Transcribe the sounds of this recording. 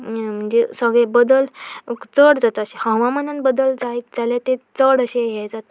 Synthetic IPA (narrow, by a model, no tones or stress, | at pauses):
m̤əɳd͡zesəɡɭebəd̪əlt͡səɽd͡zat̪aəɕehə̃ʋãmənənbəd̪əld͡zaid͡zaljat̪et͡səɽəɕẽɦed͡zat̪